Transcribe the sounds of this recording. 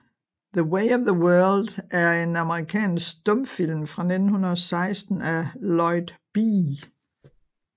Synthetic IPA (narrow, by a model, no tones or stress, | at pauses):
ðəweɪɒʋðəwɜɐld̥ʔæɐe̝nɑ̈məʁikʰɛ̰ːnsɡ̥d̥ɔ̽mfil̰mfʁɑ̈ned̥n̩hunɐðˠɒsɑ̈ɪsd̥n̩ælɒɪd̥b̥i